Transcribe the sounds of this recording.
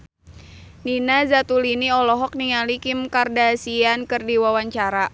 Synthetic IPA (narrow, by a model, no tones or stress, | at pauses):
ninazat̪uliniɔlɔɦɔk̚niŋalikɪmkardasiankɨrdiwawaɲt͡ʃaɾa